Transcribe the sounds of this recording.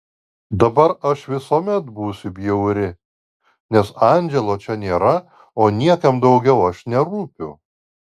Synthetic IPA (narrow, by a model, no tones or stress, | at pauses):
d̪ɐbɐɾɐʃʋʲɪsoːmʲɛt̪buːsʲʊbʲjɛʊɾʲɪ | nʲɛsɑːnʲd͡ʒʲɛlˠoːt͡ʃʲɛnʲeːɾɐ | oːnʲiɛkɐmd̪ɒʊɡʲɛʊɐʃnʲɛɾuːpʲʊ